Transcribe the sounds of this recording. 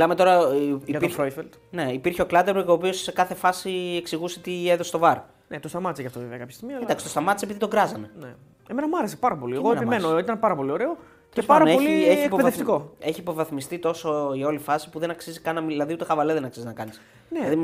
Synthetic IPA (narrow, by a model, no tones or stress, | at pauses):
milɐme̞t̪o̞ɾɐiojfelt̪ | ne̞ipiɾçeo̞klɐt̪eɾmeɣo̞ːpio̞ssekɐθe̞fɐsieksiɣusit̪ieðose̥t̪ovɐɾ | net̪ost̪ɐmɐt̪iseʝɐft̪oveveɐkɐpçɐst̪iɣmiɐind̪ɐksst̪ost̪ɐmɐt̪i̥se̞piðit̪o̞ŋɡɾɐzɐne̞ne | eme̞nɐmɐɾesepɐɾɐpo̞liɣoenpimenoit̪ɐnpɐɾɐpo̞lio̞ɾe̞o | espɐɾɐpeolieiepopeðeft̪iko̞e̞çiːpo̞vɐθmist̪it̪o̞soʝao̞lifɐsi̥puðe̞nɐksizikɐnɐmiðilɐðiut̪e̞xɐvɐleðenɐksiznɐkɐnis | neɐði